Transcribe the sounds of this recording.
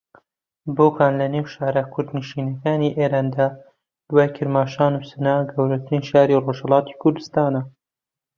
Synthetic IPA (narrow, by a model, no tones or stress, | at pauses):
boːkʰaːnlɐneːwʃaːɾɐkʰʊɾd̪niʃiːnɐkaːniʔeːɾaːnd̪aː | d̪̥waːjkʰɨɾmaːʃaːnuːsɨnaːɡɐwɾɐt̪ʰɾinʃaːɾiːroʒhɐlˠɑːt̪i̥kʰʊɾd̪ɨst̪aːnɐ